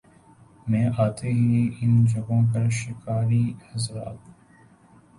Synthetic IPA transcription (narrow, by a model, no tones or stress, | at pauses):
mɛ̃ːʔaːt̪eɦiɪnd͡ʒɐɡõːp̬ɐɾʃɪkaːɾiːhɐzɾa̰ːt̪ː